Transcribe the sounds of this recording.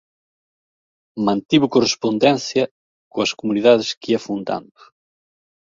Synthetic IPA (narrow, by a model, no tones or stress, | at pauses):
mãnt̪iβʊkorespond̪ɛnθjɐ | koɐskomuniðaðɪskiafund̪a̰nd̪ʊ̥